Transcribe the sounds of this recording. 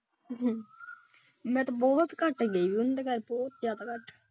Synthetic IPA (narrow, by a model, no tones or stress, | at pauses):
ɦː | mɛ̃ːt̪õbɔːt̪kəʈɡeiːʋiːʊnd̪eːkəɾbɔːt̪zjaːd̪aːkəʈ